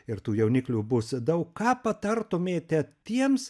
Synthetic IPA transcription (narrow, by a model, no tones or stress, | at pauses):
ɪɾt̪uːjɛʊnʲɪklʲuːbʊsd̪ɐʊkkɑːpɐt̪ɐɾt̪oːmʲeːt̪ʲɛt̪ʲiɛms